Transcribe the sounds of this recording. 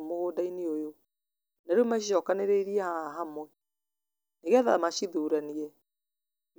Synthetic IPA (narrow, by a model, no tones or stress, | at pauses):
moɣodaineojo | naɾomaʃiʃɔkaneɾeiɾiɛhaɦamwɛ | neɣɛðamaɕiðuɾaniɛ